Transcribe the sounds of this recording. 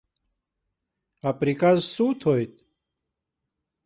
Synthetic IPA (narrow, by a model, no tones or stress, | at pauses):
apɾikazsut̪ʰojt̪̚